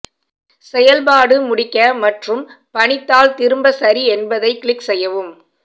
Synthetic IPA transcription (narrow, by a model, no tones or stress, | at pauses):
sɛjɐlpaːɽɯmʊɽɪkːɐmɐʈrɯm | pɐɳɪt̪ːaːlt̪ɪɾɯmbɐsɐɾiɛnbɐðɐɪkɪɭɪksɛjːɐʋɯm